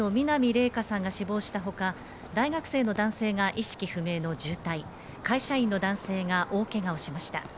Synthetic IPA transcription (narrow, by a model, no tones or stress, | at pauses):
omʲinamʲiɾe̞ːkasãŋɡaɕibo̞ːɕi̥t̪aɦo̞ka | d̪aiɡakɯ̟̥se̞ːno̞d̪ãɰ̃se̞ːŋaʔiɕi̥kʲiɸɯ̟me̞ːno̞d͡ʑɨːt̪ai | kaiɕaĩnːo̞d̪ãɰ̃se̞ːŋaʔo̞ːke̞ɡao̞ɕimaɕi̥t̪a